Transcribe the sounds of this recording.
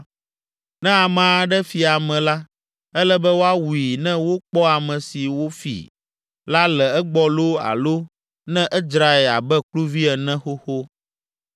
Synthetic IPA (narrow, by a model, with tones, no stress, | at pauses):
nɛ̃˦a˨mã˦ɖɛ˦fi˨a˨mɛ̃˨la˦ | ɛ˦lɛ˦bɛ˦wo˦a˦wu˨i˨nɛ̃˦wo˦k͡pɔ˦a˨mɛ̃˨si˨wo˦fḭ˨ | la˦lɛ˨ɛ˦ɡ͡bɔ˦lo˦a̰˨lo˦ | nɛ̃˦ʔɛ˦d͡ʒɾa˨ɛ˨la̰˨bɛ˦klu˦vi˦ɛ˨nɛ̃˦xo˦xo˦